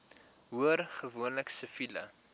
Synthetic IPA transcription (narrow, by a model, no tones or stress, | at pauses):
ɦuərχəvuənləksəfilə̰